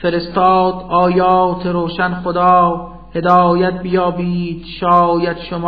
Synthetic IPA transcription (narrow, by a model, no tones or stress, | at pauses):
fe̞ɾest̪ɒːd̪ɒːjɒːt̪ʰeɾoːʃænxod̪ɒː | he̞d̪ɒːjæt̪̚bijɒːbiːd̪̥ʃɒːjæt̪ʃomː